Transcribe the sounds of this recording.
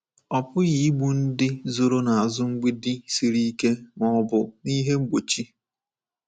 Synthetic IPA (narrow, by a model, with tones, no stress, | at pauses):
ɔ˨pʊ˦ɣi˨˦i˦ɡ͡bu˦n̩˦dɪ˦zo˨ɾo˦na˨a˨zʊ˦ŋ͡m̩˦ɡ͡bi˦dɪ˦si˨ɾi˦i˦ke˦ŋɔ˦˨ɔ˦bʊ˨ni˦ɦe˦ŋ͡m̩˦ɡ͡bo˨t͡ʃi˦